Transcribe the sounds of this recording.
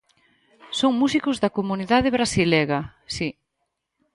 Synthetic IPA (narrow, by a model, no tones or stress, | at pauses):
soŋmusikʊzðɐkomuniðaðɪβɾasilɛɣɐsi